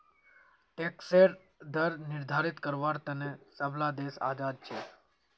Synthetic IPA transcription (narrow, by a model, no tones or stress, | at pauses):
ʈekseɾ | d̪əɾnɪɾd̪ʱaɾit̪kəɾʋaɾt̪ənesəblad̪esa̰d͡ʒad̪̚t͡ʃʰe